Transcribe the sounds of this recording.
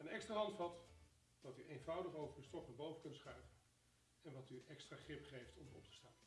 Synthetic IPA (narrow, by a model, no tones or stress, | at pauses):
ənɛkstraːɦɑntfɑt | ʋɑtyʔejnvʌwdəχowvəɹdəstɔfnəbowvəkɵntsχrɛjvən | ɛnʋɑtyʔɛkstraːχrɪpχejftɔmdəɔ̰p̚tə̥staːn